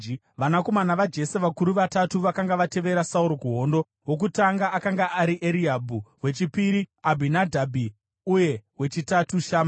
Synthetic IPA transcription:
ʋanako̞manaʋad͡ʒe̞se̞ʋakuɾuʋatatuʋakaŋɡaʋate̞ʋe̞ɾasauɾokuɦo̞ndo̞ | wo̞k̬utaŋɡaʔːkaŋɡaʔaɾiʔeɾiabʱuwe̞t͡ʃipiɾiabʱinadʱabʱi | uje̞ɦwe̞t͡ʃitatuʃaːma

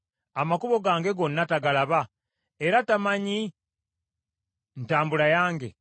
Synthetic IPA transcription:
amakuβo̞ɡaːŋɡe̞ɡo̞nːataɡalaβa | eɾatamaɲi | n̩taːmbulajaːŋɡe̞

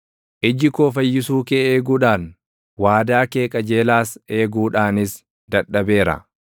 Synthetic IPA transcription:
ʔɪd͡ʒɪkoːfɐjːɪsuːkeeːɡuːᶑaːn | waːd̪aːke̞ːkʼɐd͡ʒe̞ːlaːse̞ːɡuːᶑaːnɪs | d̪ɐᶑːɐbeːɾɐ̰

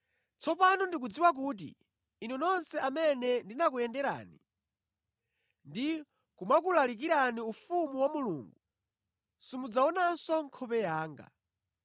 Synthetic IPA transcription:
t͡sɔpanundik̬ud͡ziwak̬uːt̬ḭː | nunɔnsɛamɛnɛndinak̬ujɛndɛɾa̰ːni | ndi | kumakulalik̬iɾaniufumuwamuluːŋɡu | simud͡zaɔnansɔŋkʰɔpɛjaːŋɡa̰

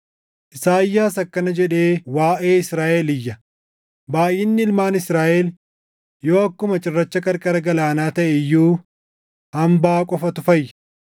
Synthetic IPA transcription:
ʔɪsaːɪjːaːsɐkːɐnɐd͡ʒɛᶑe̞ːwaːʔeːɪsɾaːʔɛlɪjːɐ | baːjɪnːɪɪlmaːnɪsɾaːʔɛl | jo̞ːɐkːʊmɐt͡ʃʼɪrːɐt͡ʃːɐkʼɐɾkʼɐɾɐɡɐlaːnaːt̪ɐʔɛjːuː | hɐmbaːkʼɔfɐt̪ʊfɐjːɐ̥

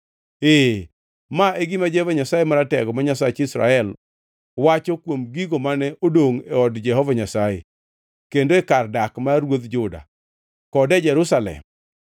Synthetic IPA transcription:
e | maʔeɡɪmad͡ʒɛhɔvaɲasajemaɾatɛɡɔmaɲasat͡ʃɪsɾa̰ɛl | wat͡ʃɔkwomɡiɡomanɛʔodoŋeɔdd͡ʒɛɦɔvaɲasajḛ | kendoekardakmaɾwod̪d͡ʒʊda̰ | kɔdɛd͡ʒɛɾʊsalɛ̰m

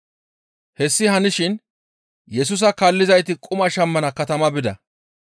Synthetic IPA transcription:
hɛsːɪɦɐnɪʃɪn | jɛs̬ʊs̬ɐkɐlːɪzɐjt̪ɪkʼʊmɐʃɐmːɐnɐkɐt̪ɐmɐbɪd̪ɐ̰

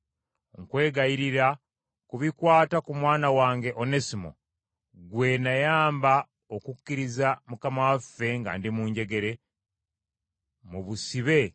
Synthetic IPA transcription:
ŋkwe̞ːɡajiɾiɾa | kuβikwaːtakumwaːnawaːŋɡe̞ʔonesimo̰ | ɡwe̞najaːmba | okukːiɾizamukamawafːe̞ŋɡa̰ːndimuːɲɟe̞ɡe̞ɾe̞ | muβusiβe̞

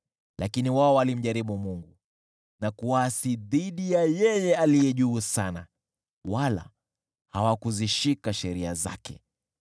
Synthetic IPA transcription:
lʔakiniwaɔwalim̩ʄaɾiɓumuŋɡu | nakuwasiðiɗijajɛjɛalijɛʄuːsana̰ | wala̰ | hawakuziʃikaʃɛɾiaza̰kɛ̰

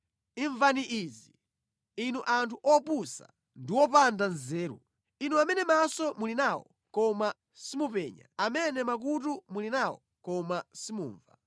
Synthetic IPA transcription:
iɱvaniʔizi | inuʔantʰuʔɔpusa̰ | ndiwɔpandanzɛːɾṵ | inuamɛnɛmasɔmulinawɔ̰ | kɔma | simupɛːɲa̰amɛnɛmak̬utumulinawɔ̰ | kɔmasimṵːɱva

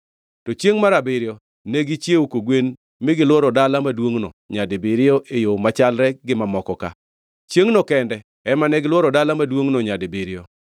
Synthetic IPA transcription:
tɔt͡ʃjeŋmaɾabɪɾɪjɔ | neɡit͡ʃjeukoɡwen | mɪɡɪlwɔɾɔdalamadwoŋnoɲadebɪɾɪɔʔejomat͡ʃalɾɛɡɪmamɔkɔka̰ | t͡ʃjeŋnokɛndɛ | ɛmanɛɡɪlwɔɾɔdalamadwoŋnoɲadebiɾɪjo

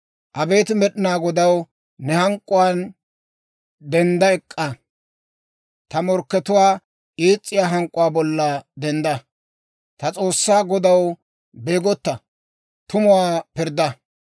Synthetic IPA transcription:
ʔɐbe̞ːt̪mɛɗɪnaːɡɔd̪ɐw | nɛhɐŋkʼːʊwaːn | d̪ɛnd̪ɐɛkʼːɐ | t̪ɐmɔɾkːɛt̪ʊwaː | ʔiːt͡sʼːɪjaːɦɐŋkʼːʊwaːbɔlːɐd̪ɛnd̪ɐ | t̪ɐt͡sʼo̞ːsːaːɡɔd̪ɐw | beːɡɔt̪ːɐ | t̪ʊmʊwaːpɪɾd̪ɐ

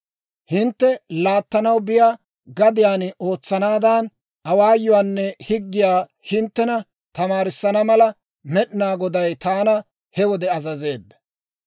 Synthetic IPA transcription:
hɪnt̪ːɛlaːt̪ːɐnɐwbɪjaː | ɡɐd̪ɪjaːno̞ːt͡sːɐnaːd̪an | ɐwaːjʊwaːnːɛhɪɡːɪjaː | hɪnt̪ːɛnɐ | t̪ɐmaːɾɪsːɐnɐmɐlɐ | mɛɗɪnaːɡɔd̪ɐjt̪aːnɐ | hɛwɔd̪ɛɐzɐze̞ːbːɛ̥

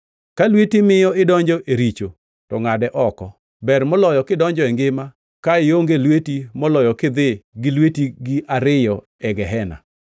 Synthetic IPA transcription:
kalwetimɪjɔɪdɔɲd͡ʒɔʔeɾit͡ʃo | tɔŋadɛʔɔkɔ | bɛrmɔlɔjɔkɪdɔɲd͡ʒɔɛŋɡɪma | kaɪoŋɡelwetimɔlɔjɔkɪd̪ɪɡɪlwetiɡiʔaɾɪjɔ | ɛɡɛɦɛna̰

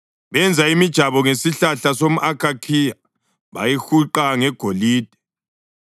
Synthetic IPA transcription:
βɛnd͡zʱaimid̥ʒ̥ʱaβɔŋesiɬaɬasomuʔakʰakʰija | βa̰jixuǃaŋɛɡ̥ʱoliːd̥ʱɛ̥

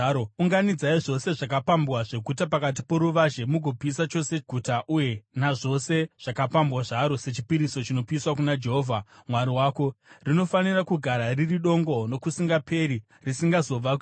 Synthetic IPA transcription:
ouŋɡanid͡zaiʐo̞se̞ʐak̬apambwaʐe̞ɡʱutapakat̬ipo̞ɾuʋaʒe̞muɡʱopiːsat͡ʃo̞se̞ɡʱutaʔuje̞naʐo̞se̞ʐ̥akapambwaʐaɾose̞t͡ʃipiɾiso̞t͡ʃino̞piswakunad͡ʒe̞ɦoːvʱamwaɾiwaːko̞rino̞fanirakuɡʱaɾaririɗo̞ŋɡo̞no̞kusiŋɡapʰe̞ɾi | risiŋɡazo̞ʋa

